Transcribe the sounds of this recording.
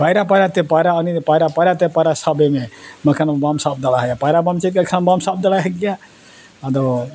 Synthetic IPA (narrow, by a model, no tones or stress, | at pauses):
pajɾapajɾat̪epajɾaənipaɾapajɾat̪epaɾasabememɐkʰanmbamsaːb̚d̪alaɦejapajɾabamt͡ʃet̪kakʰanbamsab̚d̪alaɦeɡija | ad̪o